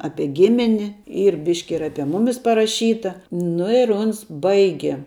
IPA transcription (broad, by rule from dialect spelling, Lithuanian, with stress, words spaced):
ˈɑːpʲiɛ ˈɡʲɪmʲɪnʲɪ ˈiːr ˈbʲɪʃʲkʲɪ ɪr ˈɑːpʲiɛ ˈmʊmʲɪs pɐrɐˈʃʲiːtɐ ˈnʊ ɪr ˈʊns ˈbɐɪɡʲɛ